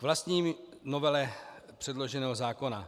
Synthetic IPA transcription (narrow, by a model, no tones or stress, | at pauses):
vlast̪ɲiːmɪnovɛlɛpr̥ɛdlo̞ʒɛnɛːɦozaːko̞na̰